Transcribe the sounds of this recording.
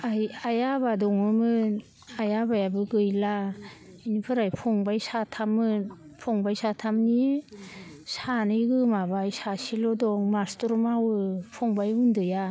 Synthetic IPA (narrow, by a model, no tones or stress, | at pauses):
ajajabadɔŋɯmɯn | ajabajabɯɡɯjla | inipʰɯɾajpʰɔŋbajsatʰamːɯnpʰɔŋbajsatʰamni | sanɯjɡɯmabajsasilɔdɔŋmastɔɾmawɯpʰɔŋbajundɯja